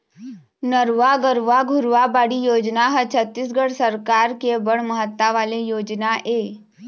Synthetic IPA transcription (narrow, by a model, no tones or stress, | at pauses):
nəɾʋaɡəɾʋaɡʱʊɾʋabaːɽijoːd͡ʒnaɦət͡ʃʰət̪ːis̬ɡəɽsəɾkaːɾkebəɽ̤məɦət̪ːaʋaːlejoːd͡ʒnaʔeː